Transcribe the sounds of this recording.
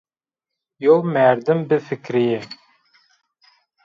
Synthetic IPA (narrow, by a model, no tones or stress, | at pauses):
jolˠmæɾd̪ɪmbɪfɪkʲɾɪjɪ